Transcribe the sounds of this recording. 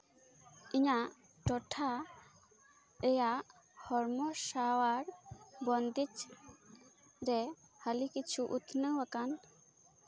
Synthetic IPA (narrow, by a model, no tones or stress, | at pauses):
iɲa | ʈɔʈʰa | ɛja | hɔɾmɔsawaɾbɔnd̪it͡ʃ | ɾɛhəlikit͡ʃʰuʔut̪ʰnəwakan